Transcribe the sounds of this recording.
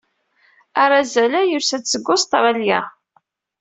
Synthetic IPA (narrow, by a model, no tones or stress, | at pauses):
aɾˤazælæjʊɾsæt͡sːəɡːʊst̪ɾˤaljæ